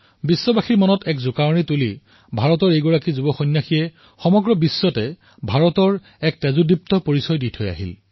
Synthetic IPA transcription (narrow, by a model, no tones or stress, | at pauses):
bisːɔbaxiɹmɔnɔtɛkzʊkawnituli | bʱaɹɔtɔɹejɡɔɹakizubɔxɔjnjaxiɛ | xɔmɔɡɹɔbisːɔtɛ | bʱaɹɔtɔɹ | ɛk̚tɛzudip̚tɔpoɹisɔjditʰɔja̰ɦḭl